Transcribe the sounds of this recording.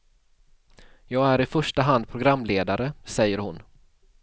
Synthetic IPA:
jɑːɡæɾɪfœʂʈaɦand̪̚pʰɾʊɡɾamːleːd̪aɾəsɛjːəɾhʊn

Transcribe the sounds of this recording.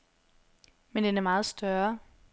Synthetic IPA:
mend̥enæɐmɑ̈ːð̞̩ˠsd̥ɶɐ

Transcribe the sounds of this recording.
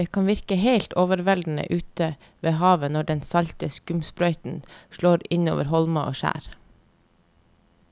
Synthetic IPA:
eːkʰɑːnʋɪɾkəheɪlt̪oːʋəɾʋɛld̪n̩ə̰ʔʉːt̪ə | ʋeːhɑːʋənɔɖɛnsɑʎt̪əskʉmspɾœʏt̪n̩ʃɭoːɾɪno̰ːʋəɾhɔlmɑʔo̰ːʃæ̰ːɾ

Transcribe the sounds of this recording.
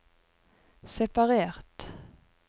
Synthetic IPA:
sɛpɑʁeːʁt̪

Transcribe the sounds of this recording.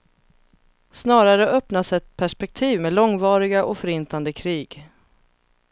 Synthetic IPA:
snɑːɾaɾəʔœpnasɛt̪pʰæʂpɛk̚t̪ʰiːvmeːlɔŋvɑːɾɪɡaʔɔfœɾɪnt̪and̪əkʰɾiːɡ

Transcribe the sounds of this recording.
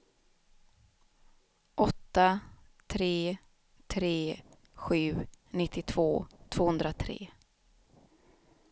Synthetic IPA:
ʔɔt̪ːa | t̪ʰɾeː | t̪ʰɾeː | ɧʉ̟ːnɪt̪ʰːɪt̪ʰv̥oːt̪ʰv̥oːhɵnd̪ɾat̪ʰɾḛː

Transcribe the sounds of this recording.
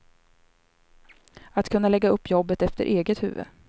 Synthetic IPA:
at̪kʰɵnːalɛɡːaɵpːjɔbːət̪ɛft̪ə̰ɾʔeːɡət̪hʉ̟ːvə̰

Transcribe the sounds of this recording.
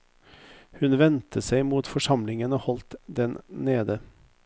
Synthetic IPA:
hʉnʋɛnt̪ʰəsæɪmuːt̪fɔʂɑmlɪŋənoːhɔlt̪d̪ɛnneːd̪ə

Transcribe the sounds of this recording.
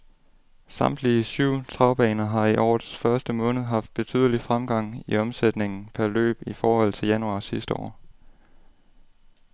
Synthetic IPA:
sɑ̈m̰d̥liəsyʊ̰t͡sʰʁɑ̈ʊb̥ɛ̰ːnɐɦɑ̈iʔɒ̰ːðˠsfɶɐsd̥əmɔ̽ːnəð̞̩ˠɦɑ̈fd̥̚b̥e̝t͡sʰy̰ð̰ˠəlifʁamɡ̥ɑ̈ŋ̰iɒ̽msed̥ne̝ŋn̩pʰæɐlø̰ːb̥ifɒːhɒ̽l̰t͡sʰe̝ljænuɑ̈ːsisd̥əɒ̰ː

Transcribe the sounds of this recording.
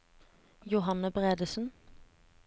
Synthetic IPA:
jʊɦɑnəbʁeːd̪əsn̩

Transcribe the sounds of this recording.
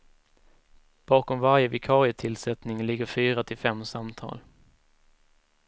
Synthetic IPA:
b̥ɑːkɔmvaɾjəvɪkʰɑːɾɪət̪ʰɪlsɛt̪nɪŋlɪɡːəɾfyːɾat̪ʰɪlfɛmːsamt̪ʰɑ̰ːl

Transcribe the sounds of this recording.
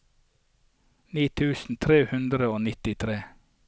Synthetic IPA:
niːt̪ʰʉːsn̩t̪ʰɾeːhʉnd̪ɾəoːnɪt̪ɪt̪ʰɾeː

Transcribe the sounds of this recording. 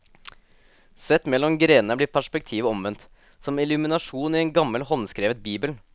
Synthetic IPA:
sɛt̪mɛlːɔmɡɾeːnəblɪpʰæʂpɛk̚t̪ʰiːʋəɔmʋɛnt̪ | sɔmɪlʉmɪnɑʂuːnɪɛnɡɑmːəlhɔnskɾeːʋət̪̚biːbəl

